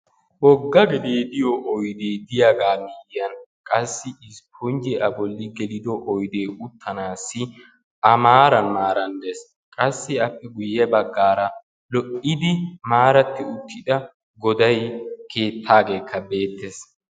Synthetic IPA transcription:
wɔɡːɐɡɛd̪eːd̪ɪjɔʔɔjd̪eːd̪ɪjaɡaːmɪjɐnkʼɐsːɪɪspʰʊnd͡ʒɛɐbɔlːɪɡɛlɪd̪ɔʔɔjd̪eːʊt̪ʰːɐnaːsːɪ | ʔɐmaːɾɐnmaːɾɐnd̪es | kʼɐsːɪɐpːɛɡʊjːɛbɐɡːaːɾɐ | lɔʔɪd̪ɪmaːɾɐt̪ːɪʊt̪ːɪd̪ɐ | ɡɔd̪ɐjkʰe̞ːt̪ʰːaːɡe̞ːkʰːɐbe̞ːt̪ːes

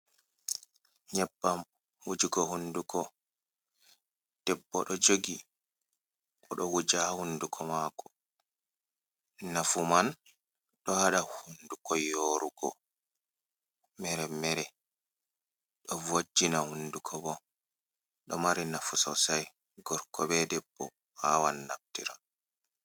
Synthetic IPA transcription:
ɲɛbːam | wud͡ʒiɡɔhundukɔ | d̥ɛbːɔ̰ɗɔd͡ʒoɡi | ɓɔɗɔwud͡ʒahundukʰɔmakɔ | nafuman | ɗɔhaɗahundukɔjoɾuɡɔ̰ | mɛɾɛmɛɾɛ | ɗɔvod͡ʒːinahundukʰɔbɔ | ɗɔmaɾinafusɔsaj | ɡɔɾkɔbɛdɛbːɔ̰ | hawanːa̰p̚tiɾa

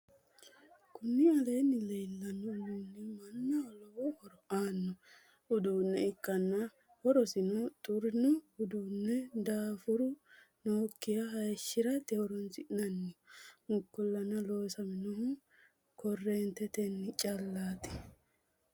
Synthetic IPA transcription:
kʊnːɪɐlɛjnːɪlɛjlːɐnːɔnuːnːɛmɐnːɐɔlɔwɔhɔɾɔaːnːɔ | ʊd̪uːnːɛɪkːɐnːɐ | hɔɾɔsɪnɔt̪ʼʊɾɪnɔʊd̪uːnːɛd̪aːfʊɾʊnoːkːɪjɐɦɐjʃːɪɾɐt̪ɛhɔɾɔnsɪʔɪnɐnːɪmʊkːɔlːɐnɐloːsɐmɪnɔɦʊ | kɔrːɛnt̪ːɛt̪ɛnːɪt͡ʃʼɐlːaːt̪ɪ̥

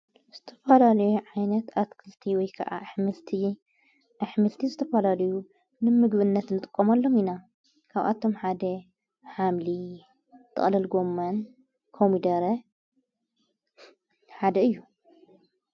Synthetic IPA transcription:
z̥ɨt̪ʰɐ̥fɐlalɐjuʕajnɐt̪at̪kʰɨlt̪ʰiwɔjkʰɐʔa̰ʔħmɨlt̪ʰi | ʔaħmɨlt̪ʰizɨt̪ʰɐfɐlalɐju | nɨmɨɡbɨnːɐt̪nɨt̪ʼɨkʼːomalːo̞mina | kʰaβʔa̰t̪ʰo̞mħad̪ɐ | ħamli | t̪ʰɨ̰χʼlɐlɡo̞mːɐn | kʰomid̪ɐɾɐ | ħad̪ɐɨjːu

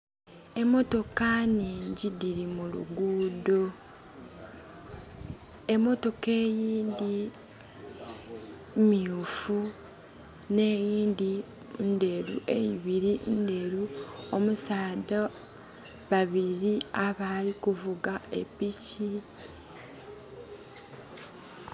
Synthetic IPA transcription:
e̞mo̞to̞kaneɲɟidiɾimulṵɡuːdo | e̞mo̞to̞ke̞ːjiːnd̪i | miufu | ne̞ːjiːnd̪i | nde̞ɾṵʔḛjiβiɾinde̞ɾuomusaːda | βaβiɾiaβalikuvuɡae̞̰pici

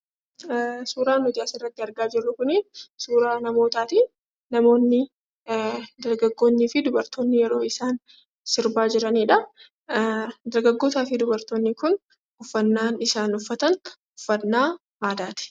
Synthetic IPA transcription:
suːɾaːnʊd̪ɪjaːsɪrːɐt̪ːɪɐɾɡaːd͡ʒɪrːʊkʊnɪsuːɾaːnɐmo̞ːt̪aːt̪i | nɐmo̞ːnːɪ | d̪ɐɾɡɐɡːo̞ːnːɪːfɪd̪ʊbɐɾt̪o̞ːnːɪjɛɾo̞ːɪsaːn | sɪɾbaːd͡ʒɪɾɐniːᶑɐ | d̪ɐɾɡɐɡːo̞ːt̪aːfɪd̪ʊbɐɾt̪o̞ːnːɪkʊn | ʊfːɐnːaːnɪsaːnʊfːɐt̪ɐn | ʊ̥fːɐnːaː | ʔaːd̪aːt̪ɪ̥

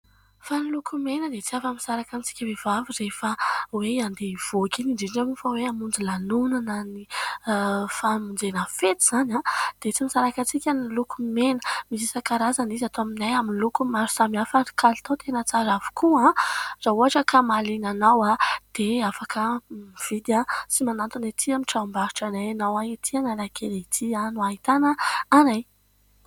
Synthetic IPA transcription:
fanilukʰumenəd̪et͡siafamisaɾakant͡si̥kʲəvevavirefaweand̪ev̥okʲiniɖ͡ʐiʈ͡ʂamufaweamund͡zilanunanani | famind͡zenəfet̪iz̥anad̪̥et͡simisaɾakat͡sikʲanilukumenəmisisakaɾazanizat̪oaminajaminlukumaɾu̥samafakʰali̥t̪at̪ʰenət͡saɾavu̥kʰuãz̥auaʈ͡ʂəkʰamalinanawad̪̥eafakʰəmiv̥id̪jasimanant̪unat̪ʰiamiʈ͡ʂaumbaɾi̥ʈ͡ʂanajnawait̪ʰianalakeleit̪ʰianuaɦit̪anəanaj

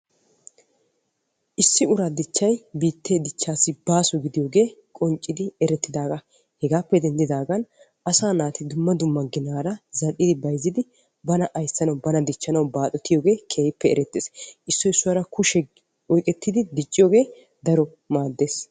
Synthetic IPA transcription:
ʔɪsːɪʊɾad̪ɪt͡ʃːɐjbiːt̪ːeːd̪ɪt͡ʃːaːsːɪbaːsɔɡɪd̪ɪjoːɡe̞ːkʼɔnt͡ʃʼːɪd̪ɪɛɾɛt̪ːɪd̪aːɡɐ | hɛɡaːpːɛd̪ɛnd̪ɪd̪aːɡɐn | ʔɐsaːnaːt̪ɪd̪ʊmːɐd̪ʊmːɐɡɪnaːɾɐzɐɗːɪd̪ɪbɐjzɪd̪ɪ | bɐnɐʔɐjsːɐnɐwbɐnɐd̪ɪt͡ʃːɐnɐwbaːt̪ʼɔt̪ːɪjoːɡe̞ːkʰeːjɪpːɛɛɾɛt̪ːeːsʔɪsːɔɪsːʊwɐɾɐkʰʊʃɛ | ɔjkʼɛt̪ːɪd̪ɪd̪ɪt͡ʃʼːɪjoːɡe̞ː | d̪ɐɾɔ | maːd̪ːe̞ːs

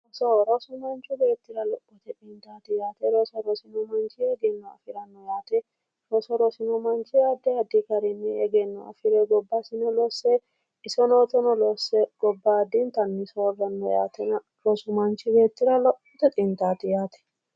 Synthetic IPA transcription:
ɔsɔɾɔsʊmɐnt͡ʃːʊbe̞ːt̪ːɪɾɐlɔʔːɔt̪ɛt̪ʼɪnt̪aːt̪ɪjaːt̪ɛɾɔsɔɾɔsɪnɔmɐnt͡ʃɪɛɡɛnːɔɐ̰fɪɾɐnːɔjaːt̪ɛ | ɾɔsɔɾɔsɪnɔmɐnt͡ʃɪjaːd̪ːɛɐd̪ɪkɐɾɪnːɛɛɡɛnːɔɐ̰fɪɾɛɡɔbːasɪnɔlɔsːɛ | ɪsɔnoːt̪ɔnɔlɔsːɛɡ̥ɔbːad̪ːɪnt̪ɐnːɪsɔwɡɐnːɔja̰ːt̪ɛnɐ | ɾɔsʊmɐnt͡ʃɪbe̞ːt̪ːɪɾɐlɔʔːɔt̪ɛt̪ʼɪnt̪aːt̪ɪjaːt̪ɛ̥

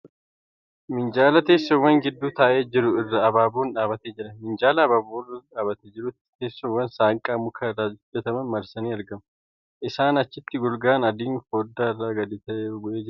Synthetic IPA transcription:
mɪnd͡ʒaːlɐt̪e̞ːsːɔwːɐŋɡɪd̪ːuːt̪aːʔe̞ːd͡ʒɪɾʊɪrːɐːbaːbuːnᶑaːbɐt̪eːd͡ʒɪɾɐmɪnd͡ʒaːlɐːbaːboːrɐᶑaːbɐt̪ɛd͡ʒɪɾʊt̪t̪eːsːɔwːɐnsaːŋkʼaːmʊkʰɐɾːaːd͡ʒd̪ɐt̪ɐmɐnmɐɾsɐniːɐɾɡɐmɐ | ʔɪsaːnɐt͡ʃːɪt̪ːɪɡɔlɡaːnɐd̪iːnfoːd̪ːaːɪrːaːɡɐd̪ɪt̪ɐʔeːɡʊʔe̞ːd͡ʒɪɾ

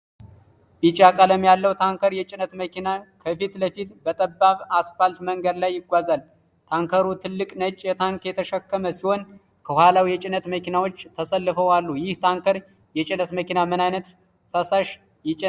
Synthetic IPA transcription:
bit͡ʃʼakʼələmjalːəwt̪ʰaŋkəɾjɛt͡ʃʼɪnət̪məkʰinakʰəfit̪ləfit̪bət̪ʼəbːaβasfalt̪məŋɡəd̪lajːɪɡʷazal | t̪ʰaŋkʰəɾut̪ʰɨlːɨkʼnət͡ʃʼjɛt̪ʰaŋkjɛt̪ʰəʃəkːəməsiho̞n | kʰəhwʷalawjɛt͡ʃʼɪnət̪məkinawo̞t͡ʃːt̪ʰəsəlːɨfəwalːujɪht̪ʰaŋkʰəɾ | jɛt͡ʃʼɪnət̪məkinamɨnajnət̪ | fəsaʃ | jɪt͡ʃʼɪ

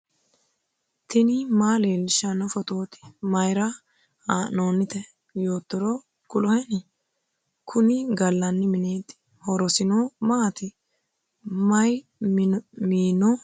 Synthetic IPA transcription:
t̪ɪnɪmaːleːlʃɐnɔfɔt̪o̞ːt̪ɪ̥mɐjɾɐ | aːnoːnːɪt̪ɛ | joːt̪ːɔɾɔ | kʊlɔhɛnɪ | kʰʊnɪɡɐlːɐnːɪmɪneːd̪ɪ̥ | hɔɾɔsɪnomaːt̪ɪ | mɐj | miːnɔ

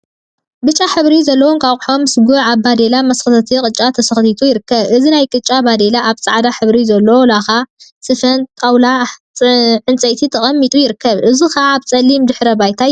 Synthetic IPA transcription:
bɨt͡ʃʼːaħɨβɾizɐlːɐwuŋkʰaħomsɨɡuʕaβbad̪elamɐsxɨt̪ʰɐt̪ʰikʼɨt͡ʃʼat̪ʰɐsɨxt̪ʰit̪ʰujɪɾɨkːɐβʔɨzinajkʼɨt͡ʃʼabad̪elaʔaβt͡sʼaʕd̪aħɨβɾizɐlːɐwolaxasɨfɐnt̪ʼawla | ʕɨnt͡sʼɐjt̪ʰit̪ʰɐχʼɐmːit̪ʼujɪɾɨkʰːɐβʔɨzixaːβt͡sʼɐlːimd̪ɨħɾɐbajt̪ʰa

